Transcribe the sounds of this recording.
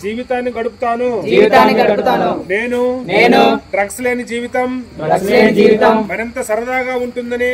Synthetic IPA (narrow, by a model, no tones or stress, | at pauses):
d͡ʒiːʋit̪aːnːikɐɽupu̥t̪aːnud͡ʒiːʋit̪aːnːiɡɐɽuput̪aːnuneːnuneːnuɖɾɐksle̞ːnid͡ʒiːʋit̪ɐmɾɐksleːnid͡ʒiːʋit̪ɐmmɐnɐnt̪ɐsɐɾɐd̪aːɡaːuɳʈund̪ɐni